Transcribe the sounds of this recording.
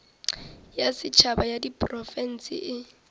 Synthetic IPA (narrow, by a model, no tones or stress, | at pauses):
jasɪt͡ʃʰabajadipʼrɔfɛn̩sɪ̰ʔɪ